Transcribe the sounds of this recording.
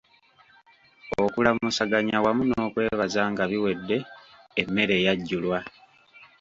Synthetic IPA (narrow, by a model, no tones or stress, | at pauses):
okulamusaɡaɲawamuno̞ːkwe̞ːβazaːŋɡaβiwe̞dːe̞ː | mːe̞ɾe̞ːjaɟːulwa